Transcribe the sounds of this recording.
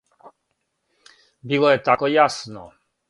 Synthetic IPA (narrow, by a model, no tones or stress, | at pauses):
bilˠɔjɛt̪akɔjasnɔ